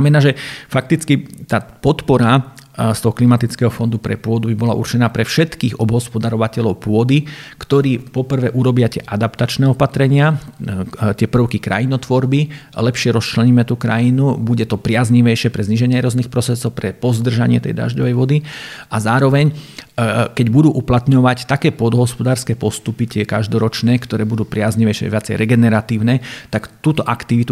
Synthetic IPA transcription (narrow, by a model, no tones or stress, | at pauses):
mɛnaːʒɛfak̚t̪it͡skit̪aːpɔt̪pɔɾa | st̪ɔɦɔklimat̪it͡skɛɦɔfɔnd̪upɾɛpʊɔd̪ubibɔlaʔṵrt͡ʃɛnaːpɾɛfʃɛt̪kiːɣɔbɦɔspɔd̪aɾɔʋacɛʎɔʊpʊɔd̪ikt̪ɔɾiːpɔpr̩ʋɛʔuɾɔbɪat̪ɪɛʔad̪apt̪at͡ʃnɛːɔpat̪ɾɛɲɪa | t̪ɪɛpr̩ʊkikɾa̰jinɔt̪ʋɔɾbilɛpʃɪɛɾɔst͡ʃlɛɲiːmɛt̪uːkɾa̰jinubuɟɛt̪ɔpɾɪazɲiʋɛjʃɪɛpɾɛzɲiʒɛɲɪɛɾɔzniːxpɾɔsɾɛsɔʊpɾɛpɔzd̪r̩ʒaɲɪɛ̰t̪ɛ̰jd̪ɾa̰ʒɟɔʋɛjʋɔd̪iʔazaːɾɔʋɛɲ | kɛɟbud̪uːʔuplat̪ɲɔʋact̪akɛːpɔd̪ɦɔspɔd̪aːɾskɛːpɔst̪upit̪ɪɛkaʒd̪ɔɾɔt͡ʃnɛːkt̪ɔɾɛːbud̪uːpɾɪazɲiʋɛjʃɪɛ̰ʋɪat͡sɛjɾɛɡɛnɛɾat̪iːʊnɛːt̪akt̪uːt̪ɔʔakt̪iʋit̪u